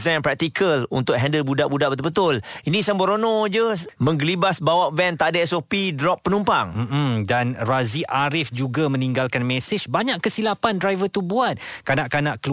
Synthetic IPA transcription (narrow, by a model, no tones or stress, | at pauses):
zanpɾɛk̚t̪ikʰəlṵnt̪ʊk̚ɦɛndəlbudaʔbudaʔbət̪əbət̪ʊlinĩsəmboɾonõd͡ʒəmə̃ŋɡəlibasbawaʔvɛnt̪aʔdaɛsopidɾɔpːənumpaŋm̩m̩danraziʔaɾɪfd͡ʒuɡamə̃niŋɡalkanmɛ̃sɪd͡ʒbaɲãʔkːəsilapandɾajvət̪ubuat̪̚kanaʔkanaʔkəl